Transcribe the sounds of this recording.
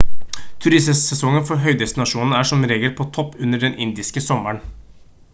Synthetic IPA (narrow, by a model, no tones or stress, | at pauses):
t̪ʰʉɾɪssɛsɔŋːənfɔɾɦœʏd̪ɛst̪ɪnɑʂuːnn̩æʂɔmɾeːɡəlpʰɔt̪ʰɔpːʉnːəɖɛnʔɪnd̪ɪskəsɔmːəɳ